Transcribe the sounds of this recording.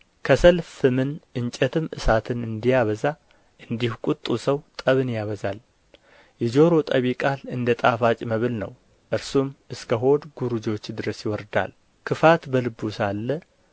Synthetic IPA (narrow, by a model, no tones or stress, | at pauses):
kʰəsəlfɨmɨnʔɨɲt͡ʃʼɛt̪ʰɨmʔɨ̰sat̪ʰɨnɨnd̪ijaβəza | ʔɨnd̪ihkʼut̪ʼːusəwt̪ʼəβɨnjaβəzal | jɛd͡ʒo̞ɾo̞t̪ʼəβikʼalɨnd̪ət̪ʼafat͡ʃʼməβɨlnə̰w | ʔɨɾsumʔɨskʰəɦo̞d̪ɡuɾud͡ʒo̞t͡ʃːd̪ɨɾəsjɪwɔɾd̪a̰l | kʰɨfat̪bəlɨbusalːə